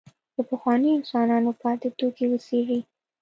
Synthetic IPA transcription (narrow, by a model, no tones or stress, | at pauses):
b̪əpəxwɑniɪnsɑnɑnopɑt̪ɪt̪okewəseʐi